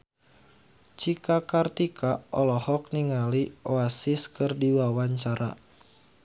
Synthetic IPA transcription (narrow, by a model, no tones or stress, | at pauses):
t͡ʃikakart̪ikʰaʔɔlɔhɔk̚niŋalioasiskɨrdiwawaɲt͡ʃaɾa̰